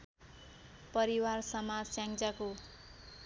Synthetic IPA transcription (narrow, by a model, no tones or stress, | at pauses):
pʌɾiwarsʌmad͡zsjãŋt͡sako